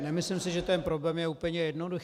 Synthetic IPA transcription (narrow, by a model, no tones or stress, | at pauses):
nɛmɪslɪmsɪʒɛt̪ɛnpɾoblɛmjɛuːpl̩ɲɛjɛdnodux